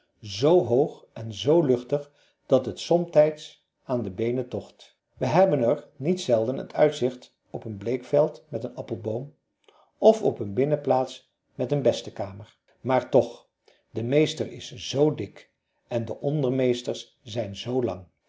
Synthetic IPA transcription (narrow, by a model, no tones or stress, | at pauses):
zowɦowχ | ɛnzowlɵχtəχ | d̥ɑtɦətsɔmtɛjts | aːndəbejnətɔχt | ʋəɦɛbənəɹnitsɛlˠdənə̰tʰœɥtsɪχt | ɔpənblejkfɛlˠtmɛtənɑpəlˠbowm | ɔfɔpənbɪnəplaːts | mɛtənbɛstəkaːməɹ | maːɹtɔχ | dəmejstəɹɪsz̥owdɪk | ɛndəʔɔndəɹmejstəɹs | zɛjnzowlɑ̰ŋ